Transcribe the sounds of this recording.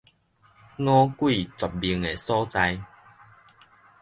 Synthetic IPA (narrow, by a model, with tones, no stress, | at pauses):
ŋɔ̃˦kwi˥˨t͡swa˨˩p̚bi˧əŋe˨˩sɔ˦t͡sa˧j